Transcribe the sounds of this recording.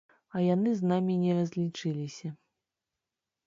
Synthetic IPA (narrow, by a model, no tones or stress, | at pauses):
ɐjanɨznamʲinʲɛrɐzʲlʲit͡ʂɨlʲisʲɐ